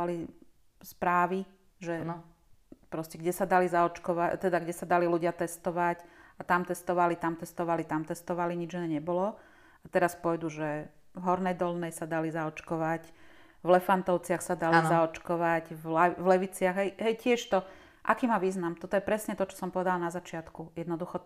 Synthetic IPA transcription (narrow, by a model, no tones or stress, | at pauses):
ali | spɾaːʋi | ʒɛ | pɾɔscɛɡɟɛsad̪alizaɔt͡ʃkɔʋat̪ɛd̪aɡɟɛsad̪aliluɟɪat̪ɛst̪ɔʋacat̪amt̪ɛst̪ɔʋalit̪amt̪ɛst̪ɔʋalit̪amt̪ɛst̪ɔʋaliɲid͡ʒinɛɲɛbɔlɔ | at̪ɛɾaspɔjd̪uʒɛ | vɦɔɾnɛjd̪ɔlnɛjsad̪alizaɔt͡ʃkɔʋac | vlɛfant̪ɔʊt͡sɪaxsad̪alizaɔt͡ʃkɔʋaɟvlvlɛʋit͡sɪaɣɦɛjɦɛjcɪɛʃt̪ɔ | ʔakiːmaʋiːznamt̪ɔt̪ɔjɛpɾɛsɲɛt̪ɔt͡ʃɔ̥sɔmpɔʋɛd̪alnazat͡ʃɪat̪kujɛd̪nɔd̪uxɔ